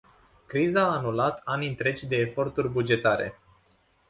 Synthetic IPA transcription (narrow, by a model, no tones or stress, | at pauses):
kɾizaːnulat̪ʰanint̪ɾe̞t͡ʃʲd̪e̞ːfo̞rt̪urʲbud͡ʒe̞t̪aɾe̞̰